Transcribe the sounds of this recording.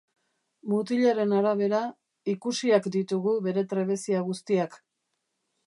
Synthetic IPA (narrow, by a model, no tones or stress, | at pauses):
mut̪iʎaɾe̞naɾaβ̞e̞ɾa | ikusiakd̪it̪uɣuβe̞ɾe̞t̪ɾe̞βe̞siaɣ̞ust̪iak